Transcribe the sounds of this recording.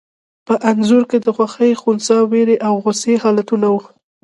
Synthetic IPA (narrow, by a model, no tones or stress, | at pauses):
pəʔanzʊɾked̪əxwaxəjxunsɑweɾeʔawɣʊsehɑlat̪unawu